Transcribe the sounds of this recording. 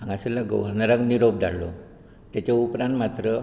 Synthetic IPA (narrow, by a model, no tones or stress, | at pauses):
aŋaselaɡo̰ʋəɾnəɾəkniɾob̚d̪ʱa̰ɽlo | t̪jat͡ɕeupɾãnmat̪ɾə